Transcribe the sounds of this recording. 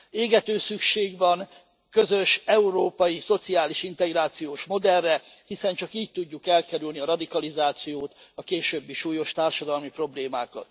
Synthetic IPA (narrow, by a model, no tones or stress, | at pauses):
eːɡɛt̪øːsykʃeːɡʋɒn | kø̞zø̞ʃɛuɾoːpɒjiso̞t̪siaːliʃint̪ɛɡraːt̪sijoːʃmo̞d̪ɛrːɛhisɛnt͡ʃɒkiːɟ̚t̪uɟːukɛlkɛɾylniɒɾɒd̪ikɒlizaːt̪sijoːt̪ɒkeːʃøːbːiʃuːjo̞ʃt̪aːrʃɒd̪ɒlmipro̞bleːmaːkɒ̰t̪